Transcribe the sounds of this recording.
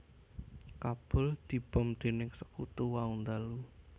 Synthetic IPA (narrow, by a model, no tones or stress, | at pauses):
kab̥ʊld̪̥i̤b̥ɔmd̪̥e̤nɪŋsəkut̪uwaund̪alu